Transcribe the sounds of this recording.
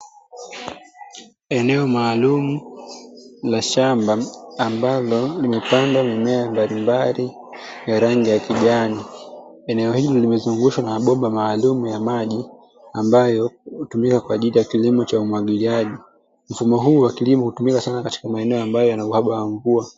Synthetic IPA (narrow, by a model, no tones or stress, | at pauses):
ɛnɛɔmaːlumu | laʃambaːmbalɔlimɛpandwamimɛambalimbali | jaɾaŋɡijakiʄani | ɛnɛɔhilɔlimɛzuŋɡuʃwanaaɓɔɓamaːlumujamaʄi | ambajɔutumikakwaːʄilijakilimɔt͡ʃaumwaɠiliaʄi | m̩fumɔɦuːwakilimɔhutumikasanakati̥kamaɛnɛɔambajɔjanauhaɓawaɱvua